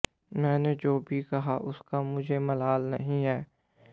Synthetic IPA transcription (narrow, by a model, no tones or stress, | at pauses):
mɛ̃ːned͡ʒoːbʱikɐɦaʔʊskamʊd͡ʒʱemɐlaːlnɐ̰ɦĩɦɛː